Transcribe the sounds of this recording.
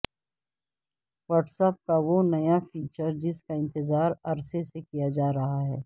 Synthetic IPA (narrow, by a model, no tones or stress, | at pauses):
ʋɐːʈsəp̚kaʋonɐjafiːt͡ʃəɾd͡ʒɪskaɪ̃nt̪ɪzaːɾɐɾsesekijad͡ʒaːɾɐɦaɦɛ̰ː